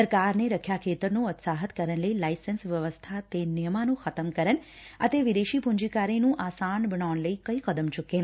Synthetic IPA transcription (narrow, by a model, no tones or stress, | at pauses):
əɾkaɾneɾəkʰjakʰet̪əɾnũət̪saɦət̪kəɾəɳləilaisənsʋjəʋəst̪ʰat̪enɪjəmanũxət̪əmkəɾəɳ | at̪eʋɪd̪eʃipʊ̃ɲd͡ʒikaɾinũʔasanbəɳaɳləikəikəd̪əmt͡ʃuken